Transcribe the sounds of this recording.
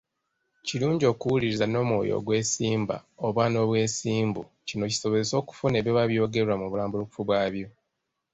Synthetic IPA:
ciluːɲɟo̞ːkuwuliɾizano̞ːmwo̞̰ːjo̰ɡwe̞ːsiːmba̰oβwano̞βwe̞ːsiːmbu | cino̞ci̥so̞βo̞ze̞so̞ːku̥fune̞ːβjeβaβjo̞ːɡe̞ɾwamuβulaːmbuluku̥fuβwaːβjo

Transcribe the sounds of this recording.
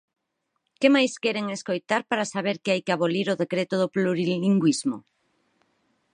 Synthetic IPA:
kemajskɛɾeŋeskojt̪aɾpaɾasaβ̞eɾkɪajkɪaβoliɾoðekɾet̪ʊðʊpluɾiliŋɡwizmo

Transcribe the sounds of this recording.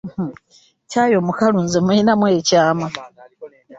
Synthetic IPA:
cajomukaluːnzemuinamwecaːma

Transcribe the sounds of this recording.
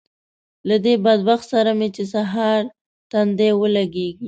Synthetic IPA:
lad̪ebad̪̚baxt̪saɾamet͡ʃes̬aɦɑɾ | t̪and̪ewəlaɡeɡi

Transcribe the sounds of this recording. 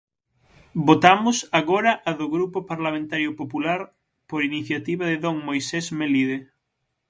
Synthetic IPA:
bot̪amʊsaɣoɾɐʔaðoɣɾupopaɾlamẽnt̪aɾjʊpopulaɾ | poɾiniθjat̪iβaðɪðoŋmojsesmeliðe

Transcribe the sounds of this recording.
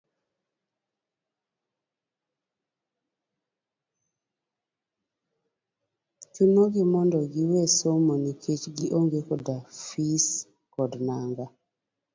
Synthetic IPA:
t͡ʃunoɡɪmɔndɔɡiwesomonikʰet͡ʃɡiʔoŋɡekɔdafis | kɔdnaŋɡa

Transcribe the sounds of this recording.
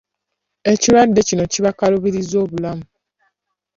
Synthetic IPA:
eciɾwadːe̞cinociβakaluβiɾizoːβulamu

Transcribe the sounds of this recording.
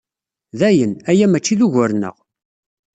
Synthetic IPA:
ðæjənæjæmæt͡ʃːiðuʝəɾnə̰ʁ

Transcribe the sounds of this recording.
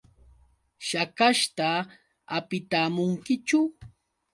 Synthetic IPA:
ʃakaʃt̪a | apɪt̪aːmʊŋkɪt͡ʃʊ

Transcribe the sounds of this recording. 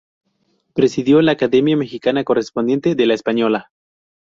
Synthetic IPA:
pɾe̞siðjo̞laːkaðe̞mjame̞xikanako̞re̞spo̞nd̪je̞nt̪e̞ðe̞laespaɲo̞la

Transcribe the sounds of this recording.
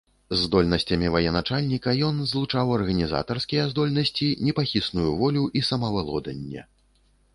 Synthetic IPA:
zːd̪ɔlʲnɐsʲt͡sʲɐmʲivɐjɛnat͡ʂalʲnʲikɐjɔnzlˠut͡ʂawɐrɣɐnʲiza̰t̪ɐrskʲijɐzd̪ɔlʲnɐsʲt͡sʲinʲɛpaxʲisnujuvɔlʲuʔisɐmɐvɨlˠɔd̪ɐ̰nʲːɛ̰

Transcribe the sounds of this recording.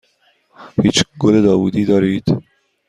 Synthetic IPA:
hit͡ʃɡuled̪ɑːwud̪id̪ɑɾit̪

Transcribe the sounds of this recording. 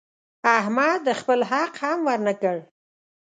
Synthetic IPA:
ahmɑd̪ːəxpəlɦaqhamwəɾnəkəɽ

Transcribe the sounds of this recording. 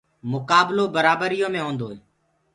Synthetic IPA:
mʊkaːbloːbəɾaːbəɾɪjõːmẽːɦõːnd̪oːeː

